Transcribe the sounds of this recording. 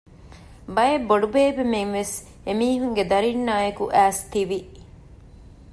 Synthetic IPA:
bɐjebːoɖubeːbemeŋʋes | emiːɦuŋɡed̪ɐɾinːaːjekuʔæːst̪iʋi

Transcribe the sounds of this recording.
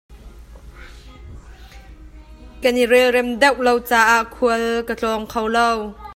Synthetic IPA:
kanirɛlrɛmd̪ɛwʔlowt͡saːʔaʔkʰuəlkət͡ɬɔŋkʰowlow

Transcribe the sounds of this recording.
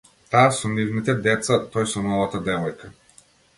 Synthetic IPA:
t̪asɔnivnit̪ɛd̪ɛt̪sat̪ɔjsɔnɔvat̪ad̪ɛvɔjka

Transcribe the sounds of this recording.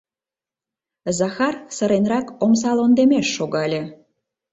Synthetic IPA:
zɑxɑrsə̆ɾenrɑkoms̬ɑlond̪emeʃːoɣɑlʲe

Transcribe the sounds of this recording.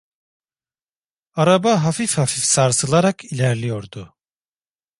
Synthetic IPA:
aɾabaɦafifhafifsaɾsɯlˠaɾakʰilʲæɾlʲijo̞ɾd̪ʊ

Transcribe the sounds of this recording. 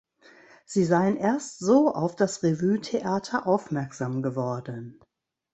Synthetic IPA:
z̥iːzaɪənʔeːɐstz̥oːʔa̰ʊfd̥asʁevyːtʰeʔaːtʰɐʔaʊfmɛɐkz̥aːmɡəvɔɐdən

